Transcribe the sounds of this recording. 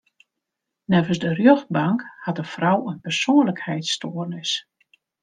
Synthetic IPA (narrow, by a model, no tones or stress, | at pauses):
nɛvənsdərjøx̚baŋkhatəfrɔwənpɛrsoːənləkhɛjtstoərnɪs